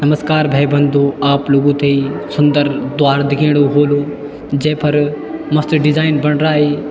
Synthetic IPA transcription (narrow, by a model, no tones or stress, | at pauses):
nɐməskaːɾbʱeːbɐ̃nd̪ʱoːaːplʊɡũt̪eisʊ̃nd̪əɾd̪ʊaːɾd̪ɪɡʱẽːɽ̃oɦoːloː | d͡ʑɐ̃ɦɪ̃pɐɾ | mɐst̪ɖɪzaːɪnbɐɽ̃ɾaːɦeː